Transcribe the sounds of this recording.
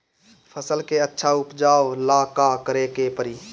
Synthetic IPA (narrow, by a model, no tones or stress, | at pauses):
pʰəsəlkeətːʃʰaʊpd͡ʒaːʋlaːkakəɾekepəɾiː